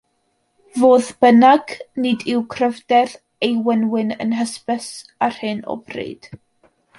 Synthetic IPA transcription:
voːðb̥ənaɡ̥nɨdɪwkʰrəvdɛð | ejwənwɪnə̰nɦəspəsar̥hɨnɔ̰brḛːd̥

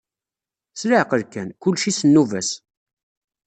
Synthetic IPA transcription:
sɾaʕqəɾkænkʊlːʃisənːuvæs

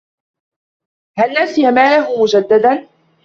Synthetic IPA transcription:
halːasɪjamaːlaɦʊmʊd͡ʒad̪ːad̪an

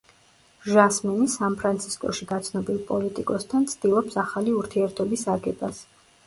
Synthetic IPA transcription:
ʒasmɛnisanpʰɾant̪sʰi̥skʼɔ̰ʃiɡat̪sʰnɔbilˠpʼɔlit̪ʼikʼɔst̪ʰant̪sʰd̪̥ilˠɔpsaχaliuɾt̪ʰiɛɾt̪ʰɔbisaɡɛbas

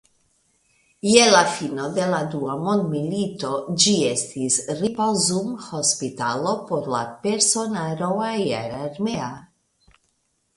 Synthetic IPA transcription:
jelafino̞d̪e̞lad̪uamond̪milit̪o̞d͡ʒiest̪isripozumhospit̪alo̞poɾla̰peɾsonaɾoajaɾaɾmea

